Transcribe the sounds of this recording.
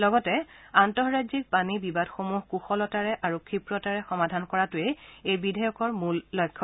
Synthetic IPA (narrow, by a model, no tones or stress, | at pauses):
lɔɡɔtɛantɔɦɹajzik̚panibibadxomuɦkuxɔlɔtaɹɛʔaɹukʰipɹɔtaɹɛxɔmadʱankɔɹatʊeejbidʱajɔkɔɹmulːɔjkʰːɔ